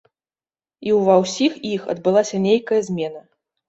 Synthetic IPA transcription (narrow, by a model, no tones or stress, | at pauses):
iwvɐwsʲixixɐ̰d̪̚bɨlˠasʲɐnʲejkɐjɐzʲmʲɛn̪ɐ